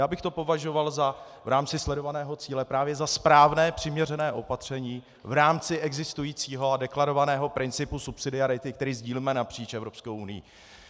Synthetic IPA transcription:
jaːbɪxt̪o̞po̞vaʒo̞valza | vɾaːmt͡sɪslɛdo̞vanɛːɦo̞t͡siːlɛpɾaːvjɛzaspɾaːvnɛːpr̝̥ɪmɲɛrɛnɛːʔo̞pat̪r̝̥ɛɲiː | vɾaːmt͡sɪʔɛɡzɪst̪ujiːt͡siːɦo̞adɛklaɾo̞vanɛːɦo̞pɾɪnt͡sɪpusupsɪdɪaɾɪt̪ɪk̚t̪ɛɾiːzɟiːliːmɛnapr̥iːt͡ʃɛvɾo̞pskowunɪjḭ

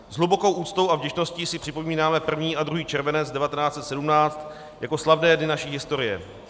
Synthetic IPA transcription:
zɦlubo̞ko̞wʔuːt͡st̪o̞wʔavɟɛʃno̞sciːsɪpr̥ɪpo̞miːnaːmɛpr̩vɲiːʔad̪ɾuɦiːt͡ʃɛɾvɛnɛt͡sdɛvat̪ɛnaːtt͡sɛt̪sɛdumnaːt͡st̪ | jako̞slavnɛːdnɪnaʃiːɦɪst̪o̞ɾɪjɛ̰

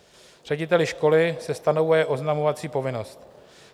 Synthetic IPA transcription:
r̥ɛɟɪt̪ɛlɪʃko̞lɪsɛst̪anovujɛʔo̞znamovat͡siːpo̞vɪno̞st̪

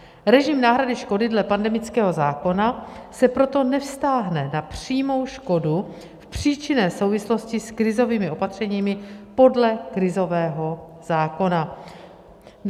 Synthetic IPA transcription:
ɾɛʒɪmnaːɦɾadɪʃko̞dɪdlɛpandɛmɪt͡skɛːɦo̞zaːko̞nasɛpɾo̞t̪o̞nɛfst̪aːɦnɛnapr̥iːmo̞wʃko̞du | fpr̝̥iːt͡ʃɪnɛːso̞wvɪslo̞scɪskɾɪzo̞viːmɪʔo̞pat̪r̝̥ɛɲiːmɪpo̞dlɛkɾɪzo̞vɛːɦo̞ | z̥aːko̞na

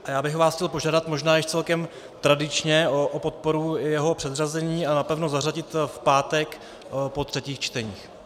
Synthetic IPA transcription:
ʔajaːbɪxvaːsxcɛlpo̞ʒaːdat̪moʒnaːjɛʃt͡sɛlkɛm | t̪ɾadɪt͡ʃɲɛoʔopo̞t̪̚po̞ɾujɛɦopr̝̥ɛd̪razɛɲiːanapɛvnozaraɟɪt̪fpaːt̪ɛk | po̞t̪r̝̥ɛciːxt͡ʃt̪ɛɲḭːx

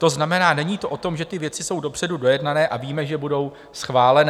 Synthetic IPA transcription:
t̪o̞znamɛnaːnɛɲiːt̪o̞ʔot̪o̞mʒɛt̪ɪvjɛt͡sɪso̞wdo̞pr̥ɛdudo̞jɛdnanɛːʔaviːmɛʒɛbudo̞w | sxvaːlɛn

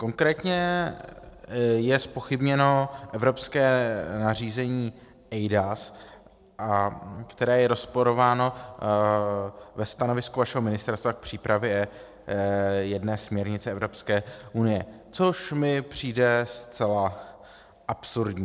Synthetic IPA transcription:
ko̞ŋkɾɛːt̪ɲɛ | jɛspo̞xɪbɲɛno̞ʔɛvɾo̞pskɛːnariːzɛɲiː | ʔɛjdas | ʔakt̪ɛɾɛːjɛɾo̞spo̞ɾo̞vaːno̞ | vɛst̪ano̞vɪskuvaʃɛɦomɪnɪst̪ɛɾst̪vak̚pr̝̥iːpɾavjɛɛ | jɛdnɛːsmɲɛɾɲɪt͡sɛɛvɾo̞pskɛːʔunɪjɛ | t͡so̞ʃmɪpr̝̥iːdɛst͡sɛla | ʔapsuɾdɲiː

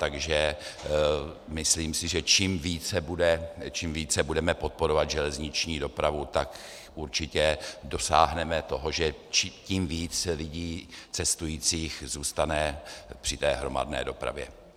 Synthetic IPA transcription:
t̪aɡʒɛ | mɪsliːmsɪʒɛt͡ʃimviːt͡sɛbudɛt͡ʃimviːt͡sɛbudɛmɛpo̞t̪̚po̞ɾovad̪ʒɛlɛzɲɪt͡ʃɲiːdo̞pɾavut̪ak | ʔuɾt͡ʃɪcɛdo̞sa̰ːɦnɛmɛt̪o̞ɦo̞ʒɛt͡ʃcimviːt͡slɪɟiːt͡sɛst̪ujiːt͡siːxzuːst̪anɛpr̝̥ɪt̪ɛːɦɾo̞ma̰dnɛ̰ːdo̞pɾa̰vjɛ̰

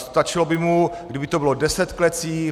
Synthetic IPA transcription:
st̪at͡ʃɪlobɪmuɡdɪbɪt̪obɪlodɛsɛt̪klɛt͡siː

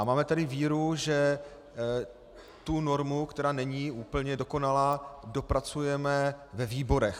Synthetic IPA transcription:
amaːmɛt̪adɪviːɾuʒɛ | t̪uno̞ɾmukt̪ɛɾaːnɛɲiuːpl̩ɲɛdo̞ko̞nalaːdo̞pɾat͡sujɛmɛvɛviːbo̞ɾɛx

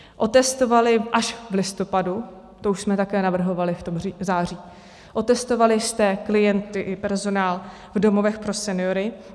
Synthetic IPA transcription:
ʔo̞t̪ɛst̪o̞valɪʔaʃvlɪst̪o̞padu | t̪ouʃsmɛt̪akɛːnavr̩ɦo̞valɪft̪omriːzaːr̝iː | ʔo̞t̪ɛst̪o̞valɪst̪ɛːklɪjɛnt̪ɪʔɪpɛɾzo̞naːl | vdo̞mo̞vɛxpɾo̞sɛnɪjo̞ɾɪ

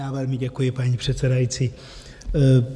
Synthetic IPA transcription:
aːvɛlmɪɟɛkujɪpaɲipr̥ɛt̪sɛdajit͡siː

